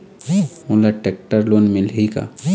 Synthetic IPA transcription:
molaʈek̚ʈəɾloːnmɪlɦika̰

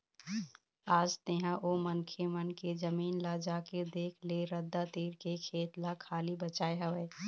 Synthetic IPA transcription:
aːd͡ʒt̪eːɦãʔoːmənkʰemənkezəmiːnlad͡ʒaːked̪eːkʰleɾəd̪ːat̪iːɾkekʰeːt̪lakʰaːlibət͡ʃaːeɦɐʋɛː

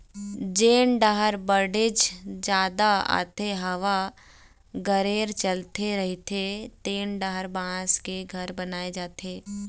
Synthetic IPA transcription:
d͡ʒeːnɖaɦəɾbəɾɖɪd͡ʒd͡ʒaːd̪aa̰ːt̪eɦɐʋa | ɡəɾeːɾt͡ʃəlt̪ʰeɾɐɦit̪ʰet̪eːnɖaɦəɾbãːskeɡʱɐɾbɐnaːed͡ʒaːt̪eː

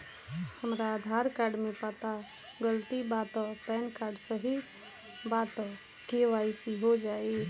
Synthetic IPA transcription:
həmɾaːd̪ʱaɾkaːɾɖmẽpat̪a | ɡəlt̪ibaːt̪ɔpɛːnkaːɾɖsə̃ɦi | baːt̪ɔ | keʋaisiɦod͡ʒae

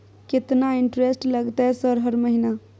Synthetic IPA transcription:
ket̪naiɳʈɾesʈləɡt̪ɛsəɾɦəɾməɦina

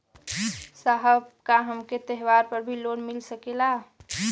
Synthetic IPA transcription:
saɦəbkaɦəmket̪əɦwaɾpəɾbʱiloːnmɪlsəkela

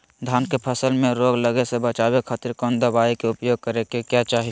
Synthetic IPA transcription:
d̪ʱaːnkepʰəsəlmeɾoɡləɡesebət͡ʃabekʰaːt̪iɾkɔ̃nd̪əbaikeʊpjoːɡ̚kəɾekekjat͡ʃaːɦi

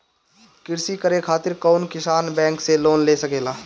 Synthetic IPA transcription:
kɪɾsikəɾekʰaːt̪ɪɾkɔːnkɪsaːnbɛ̃ːŋkseloːnleːsəkeːlaː

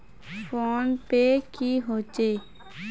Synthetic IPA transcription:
fʰoːnpeːkiːɦoːt͡ʃeː

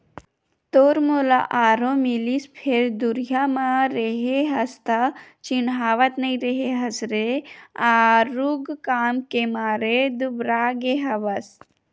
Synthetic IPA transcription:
t̪oːɾmola̰ʔaːɾõmilispʰeɾd̪uɾjamaɾeɦeɦɐst̪at͡ʃinɦaːʋət̪nɐĩɾeɦeɦɐsɾeaːɾuɡkaːmkemaːɾed̪ubɾaːɡeɦɐʋəs

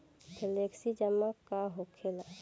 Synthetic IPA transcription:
kʰeleksid͡ʒəmːakaɦokʰela

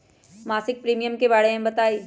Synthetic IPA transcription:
maːsɪk̚pɾiːmijəmkeʋaːɽeẽbɐt̪aːiː

